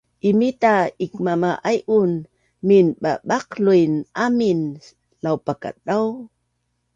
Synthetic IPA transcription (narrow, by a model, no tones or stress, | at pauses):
ʔimitaikmamaʔajʔun | minɓaɓaqlujnʔamin | lawpaka̰t̚ɗaw